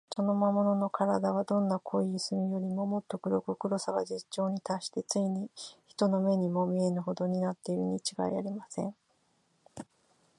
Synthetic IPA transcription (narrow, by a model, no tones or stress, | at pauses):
so̞nomamo̞no̞no̞kʰaɾad̪aβ̞ad̪õ̞nːakʰo̞isɨmʲijo̞ɾʲimo̞mo̞t̪ːo̞kɯ̟ɾo̞kɯkɯ̟ɾo̞saɡa̰d͡ʑit͡ɕːo̞ːɲ̟it̪aɕi̥t̪e̞t͡sɨiɲ̟içi̥t̪o̞no̞me̞ɲ̟imo̞mʲie̞nɯ̟ɦo̞d̪o̞ɲ̟inat̪ːe̞iɾɯ̟ɲ̟it͡ɕiɡa̰ia̰ɾʲimasẽ̞ɴ